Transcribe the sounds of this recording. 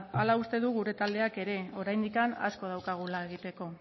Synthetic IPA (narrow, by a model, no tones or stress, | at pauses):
alaust̪e̞ðuɣuɾe̞t̪ald̪e̞ake̞ɾe̞o̞ɾajnd̪ikana̰sko̞ð̞awkaɣ̞ulae̞ɣ̞it̪e̞ko̞